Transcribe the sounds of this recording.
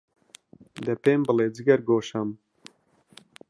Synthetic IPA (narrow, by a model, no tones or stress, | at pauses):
d̪ɛpeːmbɨleːd͡zɨɡɐɾɡoːʃɐm